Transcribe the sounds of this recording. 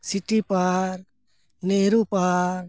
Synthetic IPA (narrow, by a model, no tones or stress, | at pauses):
siʈipaɾ | neɾũpaɾ